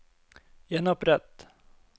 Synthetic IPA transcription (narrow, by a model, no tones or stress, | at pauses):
jɛnɔpɾɛt̪